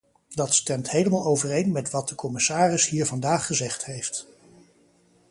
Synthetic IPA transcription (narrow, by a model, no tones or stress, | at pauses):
dɑtstɛmtɦejləmaːlˠowvərejnmɛtʋɑt̚dəkʰɔmɪsaːrɪsɦiːɹvɑndaːχːəzɛχtɦejft